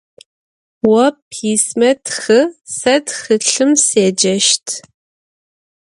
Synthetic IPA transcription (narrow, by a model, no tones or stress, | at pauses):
wɐpʰiːsmɐtxɨsɐtxɨɬɨmseːd͡ʒɐʃtʰ